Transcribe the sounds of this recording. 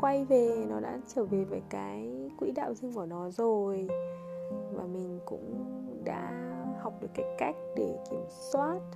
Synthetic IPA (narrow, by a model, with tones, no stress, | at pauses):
kwa˧jve˨˩nɔ˨˦ɗa̰ː˧˥t͡ɕəː˧˩ve˨˩vaː˨˩jkaː˨˦jkwḭ˧˥ɗa̰ː˧˨wzɨ˧əŋku˧˩nɔ˨˦zo˨˩j | vaː˨˩mï˨˩ŋ̟kʊ̰˧˥ŋ͡mɗa̰ː˧˥ha˨˩wk͡p̚ɗɨ˨˩əkːaː˨˦jka˦˥jk̟̚ɗe˧˩ki˧˩əmswaː˦˥t̚